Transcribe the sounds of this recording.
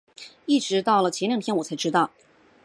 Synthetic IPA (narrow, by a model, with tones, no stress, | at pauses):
i˥˩ʈ͡ʂɻ̩˧˥t̪ɑ˥˩ʊlə˩t͡ɕʰjɛ˧˥nljɑ˨˩ŋt̪ʰjɛ˥nwɔ˨˩t͡sʰa˧˥ɪʈ͡ʂɻ̩˥t̪ɑ˥˩ʊ